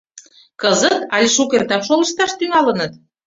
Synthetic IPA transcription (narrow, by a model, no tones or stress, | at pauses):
kɤzə̆t̪ɑlʲeʃukerd̪ɑʃolə̆ɕt̪ɑʃt̪yŋɑlə̆nə̆t̪̚